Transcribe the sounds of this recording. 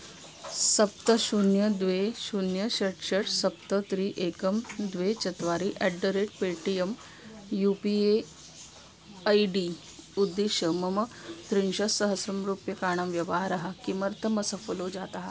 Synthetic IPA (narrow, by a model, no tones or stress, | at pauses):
sɐp̚t̪əɕunjəd̪ʋeɕunjəɕɐʈɕɐʈsɐp̚t̪ət̪ɾiːʔekəmd̪ʋet͡ɕɐt̪ʋaɾiʔɛɖəɾeʈ̚peʈijem | jupie | ajɖi | ud̪ːiɕəmɐmət̪ɾinɕɐsəɦəsɾɐmɾupjɐkaːɳ̃ɐmʋjɐʋaɦaɾaɦakimɐɾt̪ʰəməsəfolod͡ʑat̪aɦa